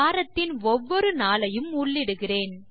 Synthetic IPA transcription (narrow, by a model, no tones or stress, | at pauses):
aːɾɐt̪ːɪnɔʋːɔɾɯnaːlɐjɯmʊɭːɪɽɯɣɪreːn